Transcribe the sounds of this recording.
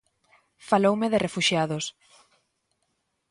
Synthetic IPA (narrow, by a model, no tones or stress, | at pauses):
falowmɪðɪrefuʃjaðʊs